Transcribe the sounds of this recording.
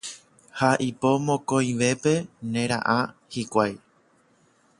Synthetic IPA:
haʔipo̞mõkõj̃ʋe̞pe̞nẽ̞ɾa̰ʔãhikʷaj

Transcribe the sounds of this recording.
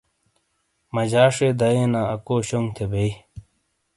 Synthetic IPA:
mɐd͡ʑaːʂeːd̪ɐjeːnaːɐkoːɕoŋɡt̪ʰebei

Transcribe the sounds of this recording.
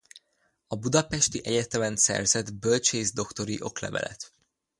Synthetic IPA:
ɒbud̪ɒpɛʃt̪iʔɛɟɛt̪ɛmɛnsɛ̰rzɛd̪bølt͡ʃeːzd̪o̞kt̪o̞ɾiʔo̞klɛ̰vɛ̰lʔɛ̰t̪

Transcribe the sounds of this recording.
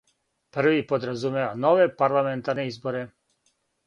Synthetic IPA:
pr̩ʋipod̪ɾazumeanoʋepaɾlˠament̪aɾnɛizboɾɛ

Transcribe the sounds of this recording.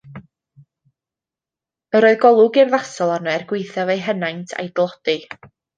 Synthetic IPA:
əɾoːɨðɡɔlˠʊɡɪrðasɔlˠarnɛɛrɡwɪjθavejɦənajntʰa̰jdlˠɔd̥ɨ

